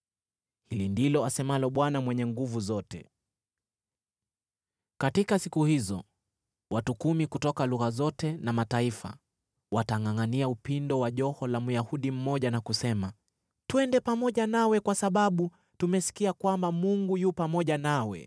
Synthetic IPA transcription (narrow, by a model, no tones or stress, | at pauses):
hilindilɔasɛmalɔɓwanamwɛɲɛŋɡuvuzɔtɛ̰ | katikasikuhizɔ̰ | watukumikutɔkaluɣazɔtɛnamataifa̰ | wataŋaŋaniaupindɔwaʄɔhɔlamujahuɗim̩mɔʄanakusɛma | tuɛndɛpamɔʄanawɛkwasaɓaɓu | tumɛsi̥kiakwambamuŋɡujupamɔʄanawɛ̰